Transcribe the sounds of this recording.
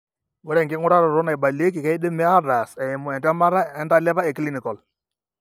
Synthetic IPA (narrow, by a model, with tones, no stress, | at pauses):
wɛ˦ɾɛ˦˨ŋɡɪ˦ŋʊ˦ɾa˦ɾɔ˨ɾɔ˦na˨ɪ˨ba˨le˦k̬ɪ˨ka˦ɪ˦ɗɪ˦mɛ˦a˦ɾa˨sɛ˨ɪ˨mʊ˨ɛ˨nda˦ma˦ɾa˦ɛ˦nda˦lɛ˦βa˦ɛ˨kli˦ni˨kɔ˨l